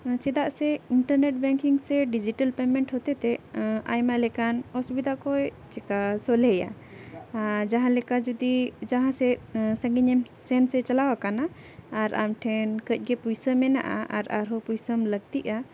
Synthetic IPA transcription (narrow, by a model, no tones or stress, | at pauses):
t͡ʃɛd̪aʔsɛiɳʈəɾnɛʈ̚bɛ̃ŋkiŋsɛɖid͡ʒiʈəlpɛmɛɳʈhɔt̪ɛt̪ɛa̰jmalɛkanɔsbid̪akɔjt͡ʃɛkasɔlɛja̰ | d͡ʒaɦãlɛkad͡ʒud̪id͡ʒaɦãsɛsə̃ŋɡiɲɛmsɛnsɛt͡ʃalawakanaː | ɾa̰mʈʰɛnkəc̚ˀɡɛpujsəmɛna̰ʔa̰ʔa̰ɾaɾɦɔpujsəmləɡ̚t̪iʔa